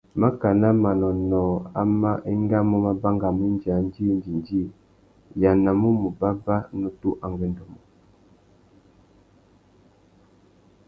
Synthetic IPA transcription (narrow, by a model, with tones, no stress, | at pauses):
ma˦ka˨na˦ma˨nɔ˨nɔ˨a̰˦ma˦ʔe˦ŋɡa˦mo˦ma˦ba˦ŋɡa˨mu˦n˦d͡ʒa˨˦n˦di˦n˦di˨ndi˦˨ | ja˨na˨mu˦mu˨ba˦ba˦nu˨tu˦ʔa˨ŋɡɛ˦ndɔ˨mɔ˨